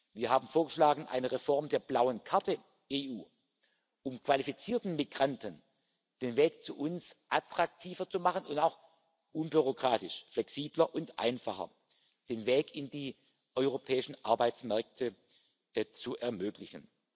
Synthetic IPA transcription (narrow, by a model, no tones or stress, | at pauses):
viːɐɦaːbn̩foːɐɡəʃlaːɡŋ̩ʔa̰ɪnəʁefɔʁmdeːɐblaʊənkʰaɐtə | ʔeːʔuː | ʔʊmkv̥alifit͡siːɐtn̩miɡʁantən | d̥eːnveːk̚t͡suʔʊnsʔatʁ̥ak̚tʰiːvɐt͡sumaχənʊntaʊx | ʔʊnbyʁ̞okʁ̥aːtɪʃflɛksiːblɐʔʊntʔa̰ɪnfaχɐ̰ | d̥eːnveːkɪndiː | ʔɔʏʁopʰɛːɪʃn̩ʔa̰ɐbaɪt͡smɛɐk̚tʰə | t͡suʔɛɐmøːklɪçən̩